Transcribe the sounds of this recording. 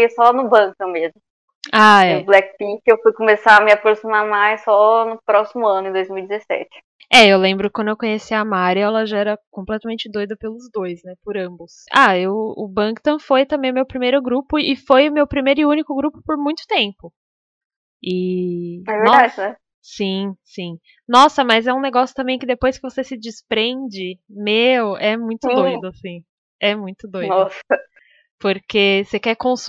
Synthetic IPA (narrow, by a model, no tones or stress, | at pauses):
ejʊsɔnʊbɐ̃k̚t̪ɐ̃w̃mezmʊ | aɛblɛkpikewfujkõmesaɐmɪapɾosimaɾmajsːɔnʊpɾɔsimʊɐ̃nʊẽd̪ojzmiwid͡ʒɪzesɛ̰t͡ʃɪ̥ | ɛewlẽmbɾʊkɪkwɐ̃d̪ʊewkõɲesiɐmaɾjɐɛlɐʒaɛɾɐkõplɛt̪ɐmẽnt͡ʃɪd̪ojd̪ɐpelʊzd̪ojznɛpʊɾɐ̃bʊsa̰ewʊ̰bɐ̃kt̪ɐ̃fojt̪ɐ̃mbẽj̃ʊmewpɾimejɾʊɡɾupʊɪfojʊmewpɾimejɾʊɪũnikʊɡɾupʊ̥poɾmũj̃t̪ʊ̥t̪ẽmpʊ | ɪ | ɛvneɔdad͡ʒ̪ɛ | sĩsĩ | nɔsɐmɐzɛũneɡɔsjʊt̪ɐ̃mbẽj̃kɪd̪epojskɪvosesɪd͡ʒɪspɾẽnd͡ʒɪmewɛmũj̃t̪ʊd̪ojd̪ʊasĩ | ɛmũj̃t̪ʊd̪oɔsɐ | poɾkesekɛkõs